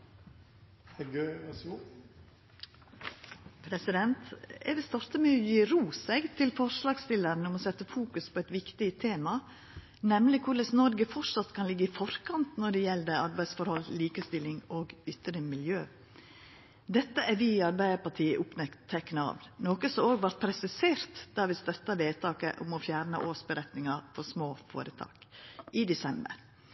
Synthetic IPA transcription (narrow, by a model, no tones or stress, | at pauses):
ɛɡø | pʰɾɛsɪd̪ɛnt̪ɛʋɪst̪ɔɾt̪əmʉjiɾuːsɛɡt̪ʰɪlfɔɾʂlɑːɡst̪ɪlːəɾnəʊmoːsɛt̪ːəfuːkʉspʰɔɛt̪ʋɪkt̪ɪət̪ʰeːmɑ | nɛmlɪkʰʊɭəsnɔɾɡəfɔʂɑt̪kʰɑnlɪɡːəɪfɔɾkʰɑnt̪nɔɖɛjɛld̪əɾɑɾbæɪsfɔɾhɔlːliːkəst̪ɪlːɪŋɔːɡʏt̪ːəɾəmɪljøː | d̪ɛt̪ːəʔæɾʋɪɪɑɾbæɪəpɑʈʰiːəʔʊpnɛkt̪ʰːɛkːnɑ̰ːʋnoːkəsɔoːɡʋɑɾt̪̚pʰɾɛsɪseːɾt̪d̪̥æɾʋɪst̪œt̪ːɑʋeːt̪ʰɑːkə̰ʔɔ̰mɔfjæːɾnə̰ʔoːsbəɾɛt̪nɪŋɑɾfɔsmoːfo̰ːɾət̪ʰɑ̰ːkʔɪd̪ɛsɛmbə̰ɾ